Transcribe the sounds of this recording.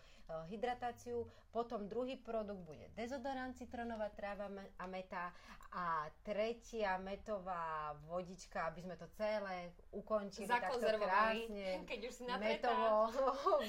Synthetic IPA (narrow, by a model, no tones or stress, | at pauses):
ɦid̪ɾat̪aːt͡siu | pɔt̪ɔmd̪ɾuɦiːpɾɔd̪uɡ̚d̪̚buɟɛ̰d̪ɛzɔd̪ɔɾant͡sit̪ɾ̩nɔʋat̪ɾaʋaamɛt̪aat̪ɾɛcɪamɛt̪ɔʋaːʋɔɟit͡ʃkaabizmɛt̪ɔt͡sɛlɛ | ukɔɲt͡ʃilizakt̪aɔknɛɾʋɔɾaːsiɲɛkɛɟuʃsinamɛt̪ɔʋɔ